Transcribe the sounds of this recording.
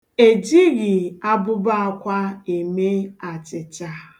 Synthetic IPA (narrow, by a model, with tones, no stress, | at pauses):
e˨d͡ʒi˦ɣɪ˨a˦bʊ˦ba˦a˦kʷa˦e˨me˦a˨t͡ʃɪ˨t͡ʃa˦